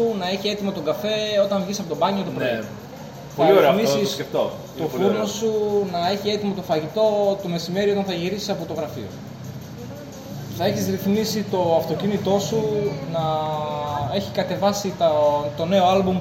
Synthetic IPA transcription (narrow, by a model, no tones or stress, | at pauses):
unɐeçie̞t̪imo̞t̪o̞ɡɐfe̞o̞t̪ɐɱvʝisɐpo̞t̪obɐɲot̪opɾ | θpɾoɾiemisissseft̪o | t̪o̞fuɾno̞sunɐeçie̞t̪imo̞t̪o̞fɐʝit̪o̞t̪ome̞sime̞ɾio̞t̪ɐ̃nθɐʝiɾisi̥sɐpo̞t̪o̞ɣɾɐfḭo̞̰ | θɐeçizɾiθmisit̪o̞ɐft̪o̞cinit̪o̞sunɐ | e̞çikɐt̪e̞vɐsit̪ɐt̪o̞ne̞o̞ɐlbum